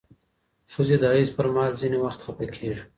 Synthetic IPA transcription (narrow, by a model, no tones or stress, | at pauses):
suzed̪ɑːizpəɾmɑːlzinewaxt̪xapekʰeːʐ